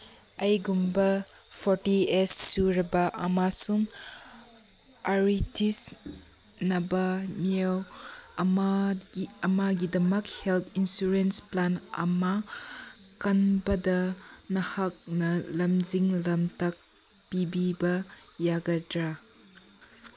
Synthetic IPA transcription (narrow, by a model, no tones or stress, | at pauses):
ɐjɡumbɐ | pʰɔɾtiesːuɾɐbɐʔɐmasum | ɐɾitʰis | nɐbɐmiawma | ɐmaɡidɐmɐkhelt̪ʰinsuɾensplanɐ̰ma | kɐnbɐdɐnɐhak̚nɐlɐmziŋlɐmtak̚ | pibibɐjaɡɐdɾa